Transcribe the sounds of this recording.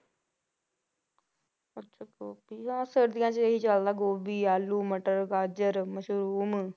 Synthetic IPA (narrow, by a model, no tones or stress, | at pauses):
ətːʃʰaːkoːpiãːsəɾd̪ɪjãːt͡ʃəɦiːt͡ʃald̪aːɡoːbiːaːlːuːməʈəɾkaːd͡ʒəɾməʃɾuːm